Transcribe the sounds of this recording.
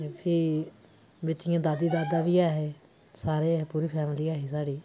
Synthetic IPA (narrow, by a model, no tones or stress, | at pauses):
pʰiː | bɪt͡ʃɪjãːd̪aːd̪iːd̪aːd̪aːʋiːaːɦeː | saːɾeːɦeːpuːɾiːpʰɛːmliːaːɦeːsaːɽiː